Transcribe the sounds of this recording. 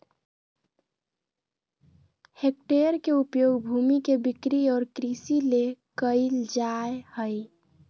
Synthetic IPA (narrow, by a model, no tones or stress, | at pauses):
hek̚ʈeɾkeupjoɡbʱumikebikɾiɔːɾkɾisilekəɪld͡ʒaehəj